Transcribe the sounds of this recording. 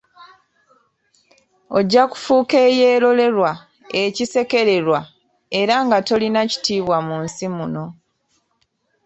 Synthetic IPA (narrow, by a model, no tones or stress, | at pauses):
o̞ɟːaku̥fuːke̞ːjeːɾo̞le̞ɾwa | ecise̞ke̞ɾe̞ɾwa | e̞ɾaŋɡato̞linaci̥tiːβwamunsimuno̞